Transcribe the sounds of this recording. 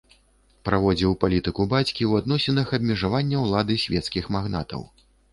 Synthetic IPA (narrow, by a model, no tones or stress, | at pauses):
pɾavɔd͡zʲiwpalʲit̪ɨkubat͡sʲkʲiwad̪nɔsʲɛnɐxɐbmʲɛʐavanʲːɐwlˠad̪ɨsʲvʲɛt̪skʲixmaɣna̰t̪ɐ̰w